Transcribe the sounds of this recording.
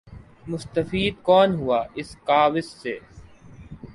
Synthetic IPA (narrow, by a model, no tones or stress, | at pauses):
mʊst̪əfiːd̪̚kɔːnɦuaːɪskaːʋɪsːḛː